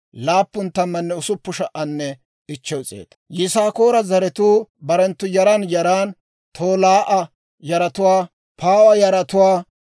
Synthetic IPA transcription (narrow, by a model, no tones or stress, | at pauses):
laːpːʊnt̪ːɐmːɐnːɛʊsʊpːʊʃɐʔɐnːɛ | ɪt͡ʃːɛwʊt͡sʼḛːd̪ɐjɪsaːko̞ːɾɐzɐɾɛt̪uːbɐɾɛnt̪ːʊjɐɾɐnjɐɾaːn | t̪ʰoːlaːʔɐ | jɐɾɐt̪ʊwaː | pʰaːwɐjɐɾɐt̪ʊwaː